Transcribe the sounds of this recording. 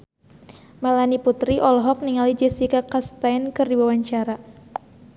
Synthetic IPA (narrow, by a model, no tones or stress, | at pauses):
malaniput̪ɾiʔɔlɦɔk̚niŋalid͡ʒɛsikakast̪ajnkɨrdiwawaɲt͡ʃaɾa